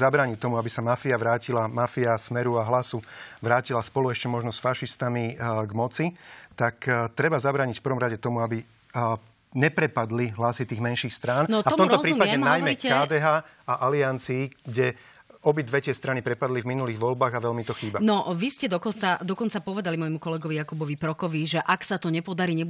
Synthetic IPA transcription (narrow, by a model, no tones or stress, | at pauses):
zabɾaːɲict̪ɔmuabisamafiaʋɾaːcilamafiasmɛɾuaɦlasuʋɾaːcilaspɔluɛʃcɛmɔʒnɔsfaʃist̪amiɡmɔt͡sit̪akt̪ɾɛbazabɾaːɲicfpəɾʋɔmɾaɟɛt̪ɔmuabi | ɲɛpɾɛpad̪liɦlasit̪iːɣmɛnʃiːxst̪ɾaːnnɔtafɔmɔmɾt̪ɔɔzɾiːumpaɟɛnajmɛkaːd̪ɛːɦaː | aʔaliant͡siːɡɟɛ | ɔbid̪ʋɛcɪɛst̪ɾanipɾɛpad̪livminuliːɣʋɔlbaːɣaʋɛlmit̪ɔxiːbanɔʋiscɛd̪ɔkɔt͡sad̪ɔkɔnt͡sapɔʋɛd̪alimɔjmukɔlɛɡɔʋijakubɔʋipɾɔkɔʋiʒɛʔaksat̪ɔɲɛpɔd̪aɾiːɲɛ